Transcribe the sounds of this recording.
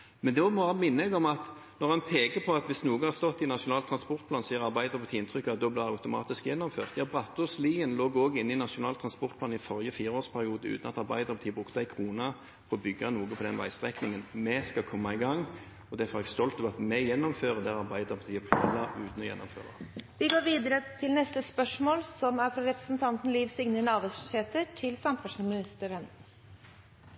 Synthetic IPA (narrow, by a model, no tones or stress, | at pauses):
mɛnd̪ɛɔmɑːɑmɪnːəɡɔmɑt̪ | nɔʁɑnpʰeːkəpʰɔɑt̪ʋɪsnuːɡəhɑʁst̪ɔt̪ːɪnɑʂʊnɑːlt̪ʰɾɑnspɔʁt̪̚pʰlɑːnsiːəɾɑɾbæɪd̪əʁpʰɑt̪ʰiːɪnt̪ʰʁʏkːɑt̪̚d̪ɔːblæɪʁd̪aʉt̪ʊmɑ̰ːt̪ɪskjɛnːɔmfø̰ːʁt̪jɑːbʁɑt̪ːʊsliːənloːɡoːɡɪnːɪnɑʂʊnɑːlt̪ʰɾɑnspɔʁt̪̚pʰlɑːnɪfɔɾjəfiːʁoːspʰæɾɪuːd̪əʉ̰ːt̪ənɑt̪ɑʁbæɪd̪əʁpʰɑt̪ʰiːəbʁʉkt̪əæɪkʰʁuːnɑ | fɔʁɔbʏɡːɑnuːɡəpʰɔd̪ɛnʋæ̰ɪst̪ʁɛknɪŋənmɛskɑkʰɔmːɑɪɡɑŋː | ɔd̪æfɔɾɛɡst̪ɔlt̪ɔʋɑt̪mɛjɛnːɔmføːʁəd̪ɛʁɑʁbæɪd̪əʁpʰɑt̪ʰiːəpʰɛlɑʉːt̪n̩ɔjɛ̰nːɔmfø̰ːʁɑ̰ʋɪɡoːɾʋiːd̪əɾət̪ʰɪlnɛst̪əspœʂmoːlsɔmæɾfɾɑɾɛpɾə̥sn̩t̪ʰɑnt̪n̩liːʋsɪŋnənɑːbuːsʏɕeːt̪əʈʰɪlsɑmfɑʂmɪnɪst̪əɾən